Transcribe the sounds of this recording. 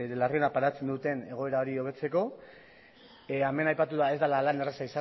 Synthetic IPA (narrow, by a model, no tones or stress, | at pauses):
larionapaɾat͡se̞nd̪ut̪e̞ne̞ɣo̞e̞ɾao̞ɾio̞β̞e̞t͡se̞ko̞ | ame̞najpat̪uðae̞zd̪alalaneresaisa